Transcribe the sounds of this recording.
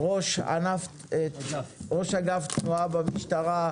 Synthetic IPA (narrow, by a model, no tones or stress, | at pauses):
ʁo̞ʃa̰naf | ʁo̞ʃaɡaft̪nuabamiʃtaʁa